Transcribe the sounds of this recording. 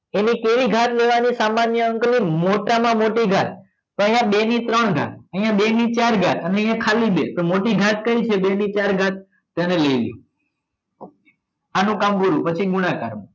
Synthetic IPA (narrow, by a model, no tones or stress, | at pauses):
enikeʋiɡʱat̪leʋanisamanjəəŋknimoʈamãmoʈiɡʱat̪ː | oəɦjãɓenit̪ɾəɳɡʱa̰t̪̚əɦijãɓenit͡ʃaɾɡʱat̪əneə̃ɦijãkʰalibet̪omoʈiɡʱat̪kəɾit͡ʃʰebenit͡ʃaɾɡʱat̪̚ː | anẽleiljṵ̃ | anũkambuɾũpət͡ʃʰiɡʊñaka̰ɾmũ